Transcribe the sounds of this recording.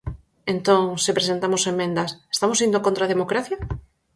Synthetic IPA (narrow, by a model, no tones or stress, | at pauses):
ent̪õŋsepɾesent̪amosemːẽnd̪ɐse̥st̪amosind̪okõnt̪ɾaðemokɾaθja